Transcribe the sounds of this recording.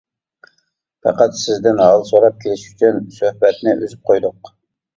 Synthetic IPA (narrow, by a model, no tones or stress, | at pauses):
pɑ̰qɑt̪sɪzd̪ɪnɦɑlˠsoɾɑp̚kʲʰelɪʃy̥t͡ʃʰynsøhbɛt̪nɪʔøzyp̚qʰojd̪ʊq